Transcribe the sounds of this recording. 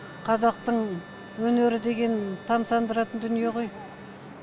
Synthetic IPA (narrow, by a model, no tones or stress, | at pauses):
qʰɑzɑq̚t̪əɴ | wɵne̞ɾɪd̪e̞ɡʲe̞nt̪ʰɑmsɑnd̪əɾɑt̪ənd̪ʏnije̞ʁo̞j